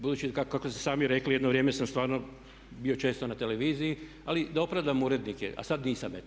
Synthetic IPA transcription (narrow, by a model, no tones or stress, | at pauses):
bud̪uːt͡ʃikakakost̪e̥saːmiɾeklijed̪noʋɾjeːmesamst̪ʋaːɾno | bio̞t͡ʃe̞ːst̪o̞nat̪e̞leʋiːzii | alid̪aopɾaʋd̪amuːɾe̞d̪nikḛʔa̰sad̪niːsamje